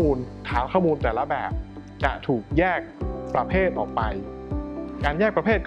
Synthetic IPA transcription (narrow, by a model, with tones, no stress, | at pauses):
muː˧nt̪ʰaː˩˦wkʰɔː˥˩muː˧nt̪ɛː˨˩la˦˥bɛː˨˩p̚ | t͡ɕa̰˨˩ʔt̪ʰuː˨˩k̚jɛː˥˩k̚pɾa˧pʰeː˥˩t̪̚ʔɔ̰ː˨˩k̚pa˧j | kaː˧njɛː˥˩k̚pɾa˧pʰeː˥˩t̪̚k